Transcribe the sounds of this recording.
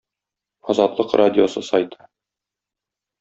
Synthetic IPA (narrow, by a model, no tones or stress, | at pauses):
ɒzɑt̪lˠɤqrʔadʲɪosɤsɒjt̪ɤ̥